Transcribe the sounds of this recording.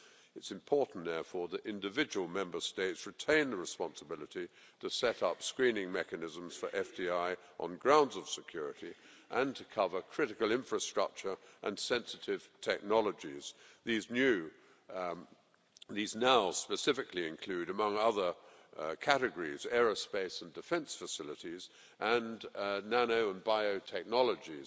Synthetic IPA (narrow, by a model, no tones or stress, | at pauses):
ɨtsɨ̃mpʰɔɹʔn̩ðɛɹfɔɹðɨɾɪ̃ndɨvɪd͡ʒɨwlˠmɛ̃mbə˞steɪtsɹɨtʰẽɪ̃nðəɹɨspɑ̃nsəbɪlˠəɾi | ɾɨsɛɾʌpskɹĩnɪ̃ŋmɛkɨnɪzə̃m̩z̥fə˞ʔɛfdiaɪ | ʔə̰̃nɡɹãʊ̃ndzʌv̥sɨkʰj̥ʊɹɨɾiʔə̃ntʰɨkʰʌvə˞kʰɹ̥ɪɾɨkl̩ˠɪ̃ɱfɹɨstɹ̥ʌ̰k̚t͡ʃə˞ʔə̃nsɛ̃nsɨɾɪv̥tʰɛk̚nɑlˠəd͡ʒiz̥ðiznjʉ | ðiznaʊspɨsɪfɨkliɨ̃nkʰl̥ʉɾɨmʌ̃ŋʌðə˞ | kʰæɾɨɡəɹizɛɹəspeɪsn̩dɨfɛ̃nsfəsɪlˠəɾiz | ʔə̃nnænoʊə̃nbaɪoʊtʰɛk̚nɑlˠəd͡ʒi